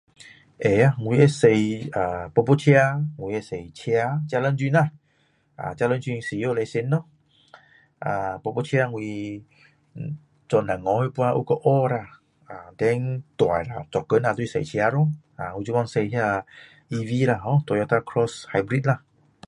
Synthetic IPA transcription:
ʔe˨a˧˨ŋwi˧ɛ˧˦se˧ja˨pɔ˧po˧t͡ɕʰi˧a˧ŋwi˧e˧se˨jt͡ɕʰi˧a˧t͡ɕja˧lə˧˦nzwi˧na˧˨ | ʔa̰˨t͡ɕja˧lə˧˦nt͡ʃwi˧ŋsi˧˨˦o˧˨le˧se˧nːɔ˧˦ | ʔa˨pɔ˧po˧t͡ɕʰi˧a˧ŋwi˧ | t͡sɔ˧na˨ŋɔ̃˨˧˦he˧˦pwa˧ʔṵ˧˦kɔ˧ʔɔ˦ɾa˧˨ | a˨˩dɛ˧˦ŋt̪wa˨jla˧˨t͡sɔ˨kːə˨˧˦na˧t̪u˧i˧sḛ˧˨jt͡ɕʰja˧ɾo˧˦˨ŋʔa˨ŋ˧i˧u˧˦wa˧nse˧jɦa˧ | ʔi˧vi˧˦la˧˩ɦɔ̃˧t̪wa˨jɔ˧t̪a˧kʰɾɔ˧sha˧jbɾi˧˦t̚la˧˨

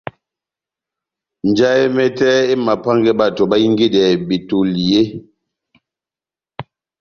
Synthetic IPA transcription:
n˨d͡ʒa˦e˦mɛ˦tɛ˦e˦ma˨pa˦ŋɡɛ˦ba˦tɔ˨ba˦ji˦ŋɡi˦dɛ˨bi˨to˨li˨e˦

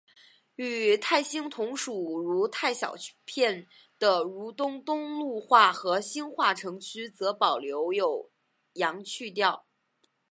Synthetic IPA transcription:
y˨˩t̪ʰa˥˩ɪɕi˥ŋt̪ʰʊ˧˥ŋʂu˨˩ɻu˧˥t̪ʰa˥˩ɪɕjɑ̰˨˩ʊpʰjɛ˥˩n | d̪̥ə˩ɻu˧˥t̪ʊ˥ŋt̪ʊ˥ŋlu˥˧xwa˥˩xɤ˧˥ɕi˥nxwa˥˩ʈ͡ʂʰɤ˧˥ŋt͡ɕʰy˥t͡sɤ˧˥pɑ˨˩ʊljo˧˥ʊjo˨˩ʊ | jɑ˧˥ŋt͡ɕʰy˥˧t̪̬jɑ˥˩ʊ

